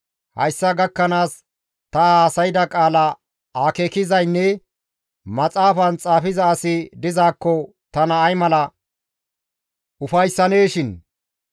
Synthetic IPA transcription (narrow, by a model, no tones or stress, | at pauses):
hɐ̰jsːɐɡɐkːɐnaːs | t̪ɐaːsɐjɪd̪ɐkʼaːlɐ | aːkeːkɪzɐjnːɛ | mɐt͡sʼaːfɐnt͡sʼaːfɪzɐːsɪd̪ɪzaːkːɔ | t̪ɐnɐːjmɐlɐ | ʊfɐjsːɐne̞ːʃɪn